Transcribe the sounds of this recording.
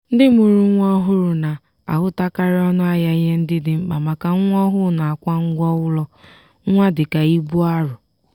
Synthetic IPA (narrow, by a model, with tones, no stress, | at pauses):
n̩˦dɪ˦m˦u˨ɾu˨˦ŋʷɔ˦ɦʊ˦ɾʊ˨na˨ | a̰˨ɦʊ˦ta˦ka˦ɾɪ˦ɔ˦nʊ˦a˦ja˦ɦe˦n̩˦dɪ˦dɪ˨ŋ͡m̩˦k͡pa˨ma˨ka˨ŋ̩ʷ˦ɔ˦ɦʊ˦na˨a˨kʷa˦ŋ̩˦ɡʷɔ˦ʊ˦lɔ˦ | a˦dɪ˨ka˨i˦bu˦a˦ɾʊ˨